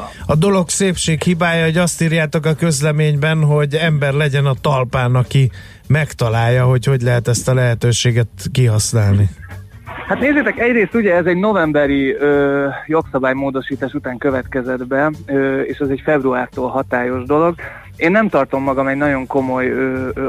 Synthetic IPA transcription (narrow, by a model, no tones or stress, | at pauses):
ɒd̪o̞lo̞kseːpʃeːkhibaːjɒoɟɒst̪iːɾjaːt̪o̞kɒkø̞zlɛmeːɲbɛnɦo̞ɟɛmbɛrlɛɟɛnɒt̪ɒlpaːnɒki | mɛkt̪ɒlaːjːɒɦo̞cho̞ɟlɛɦɛt̪ɛst̪ɒlɛɦɛt̪øːʃeːɡɛt̪kiɦɒsnaːlni | hat̪neːzeːt̪ɛkɛɟreːst̪uɟɛɛzɛɟno̞vɛmbɛɾiøːjo̞ksɒbaːjmoːd̪o̞ʃiːt̪aːʃut̪aːŋkøvɛt̪kɛzɛd̪bɛøeːʃɛzɛɟfɛbruaːrt̪oːlɦɒt̪aːjo̞ʒd̪o̞lo̞ɡ | eːnːɛmt̪ɒrt̪omːɒɡɒmɛɟnɒɟo̞ŋko̞mo̞jøː